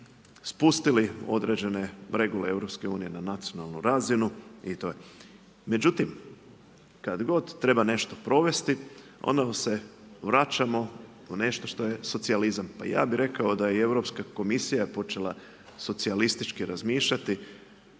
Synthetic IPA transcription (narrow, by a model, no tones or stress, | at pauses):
spust̪ilio̞̰d̪ɾe̞d͡ʑe̞ne̞ɾe̞ɡuleeʋɾo̞pske̞uːnije̞nanat̪sijo̞nalˠnuɾazinuit̪oje | me̞d͡ʑut̪im | kad̪ɡo̞d̪t̪ːɾe̞bane̞ʃt̪o̞pɾo̞ʋe̞st̪io̞̰nd̪amse̞ʋɾat͡ʃamo̞ | une̞ʃt̪o̞ʃt̪o̞je̞so̞t̪sializampaja̰ːbiɾe̞kao̞d̪ajee̞ʋɾo̞pskako̞misijapo̞t͡ʃe̞lˠa̰ | so̞t̪sialist̪it͡ʃkiɾazmiːʃʎat̪i